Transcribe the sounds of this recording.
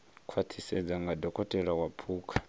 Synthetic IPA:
kʰwat̪ʰisɛd͡zaŋɡadɔkʼɔtʼɛɺawapʰuːkʼʰḁ

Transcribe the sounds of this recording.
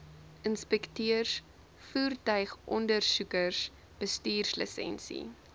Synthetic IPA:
ənspɛktiərs | fuːrtœɥχʔɔndərsukərs | b̥əstiːrslə̰sɛ̰nsḭ

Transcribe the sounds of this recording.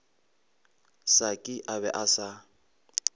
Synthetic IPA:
sakʼɪʔaβɛʔasa

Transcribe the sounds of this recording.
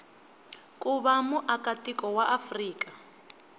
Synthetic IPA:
kʼuβamuʔakʼatikɔwaʔafriːkʼa

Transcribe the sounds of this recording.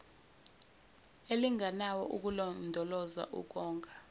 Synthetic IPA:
eliŋʱanawɔ̰ʔuk̬ulɔndʱɔlɔza̰ʔṵk̬ɔːŋkʰʼḁ

